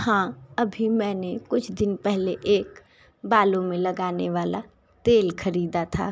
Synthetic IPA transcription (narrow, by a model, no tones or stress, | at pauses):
hãːɐbʱimɛ̃ːnekʊt͡ʃʰd̪ɪnpɛɦleʔeːk | baːlõmẽlɐɡaːneʋaːla | t̪eːlkʰɐɾiːd̪at̪ʰa̰ː